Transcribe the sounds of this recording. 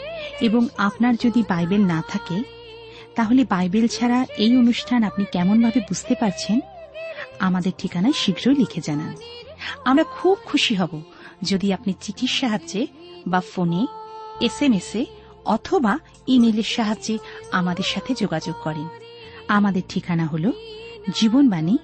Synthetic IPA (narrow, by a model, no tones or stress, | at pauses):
eboŋapnaɾd͡ʑod̪ibajbelnat̪ʰake | t̪aɦolebajbelt͡ɕʰaɾaejonuʃʈʰanapnikɛmonbʱabebud͡ʑʱt̪epaɾt͡ɕʰen | amad̪eɾʈʰikanajʃiɡʱɾoelikʰed͡ʑanan | amɾakʰub̚kʰuʃiɦɔbo | d͡ʑod̪iapnit͡ɕiʈ̪ʰiɾʃaɦaebafoneesemese | ɔt̪ʰoba | imeleɾʃaɦad͡ʑd͡ʑeamad̪eɾʃat̪ʰed͡ʑoɡad͡ʑoɡ̚kɔɾenamad̪eɾʈʰikanaɦolod͡ʑibonbani